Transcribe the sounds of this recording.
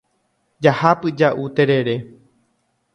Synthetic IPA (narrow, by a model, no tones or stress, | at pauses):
d͡ʒahapɨd͡ʒaʔut̪e̞ɾe̞ɾe̞